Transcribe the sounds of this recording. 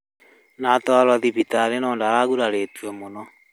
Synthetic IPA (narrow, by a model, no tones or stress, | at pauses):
nat̪walwaðibit̪aɾenɔːndaɾaɣuɾaɾet̪uɛmonɔ